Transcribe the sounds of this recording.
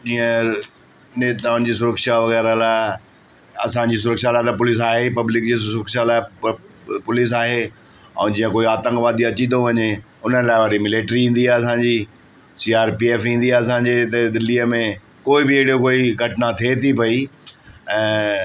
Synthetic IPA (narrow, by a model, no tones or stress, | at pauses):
d͡ʑiːə̃ | neːt̪aːʊñ̆d͡ʑiːs̬ʊɾəkʃaʋɐɣɛːɾəlaː | ɐ̰sãɲd͡ʑiːs̬ʊɾəkʃalaːɪt̪ɐpʊlɪs̬aːɦepɐblɪk̚d͡ʑiːsʊɾəkʃalaːɪ | pʊlɪs̬aːɦe | ɛ̰̃ːd͡ʑĩːə̃koːiaːt̪ə̃ŋkʋaːd̪iɐt͡ɕĩnd̪oʋɐɲe | ʊnəlaːɪʋɐɾimɪleːʈɾiĩːn̆d̪iaːɦɐsãːɲd͡ʑi | siːaːɾpieːfĩn̆d̪iaeɐsãɲd͡ʑet̪ɐd̪ɪlːiːəmẽ | koːɪbɪɪɦɪɽiokoːiɡʱɐʈɪnat̪ʰet̪ʰipɐi | ɛ̃ː